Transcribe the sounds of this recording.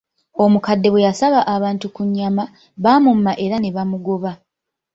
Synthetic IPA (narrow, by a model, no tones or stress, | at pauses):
o̞mukadːe̞βwe̞jasaβaʔaβaːntukuɲːama | βaːmumːaʔe̞ɾane̞βamuɡo̞βa